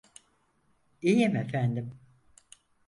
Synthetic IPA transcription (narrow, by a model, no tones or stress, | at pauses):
ijimefænd̪im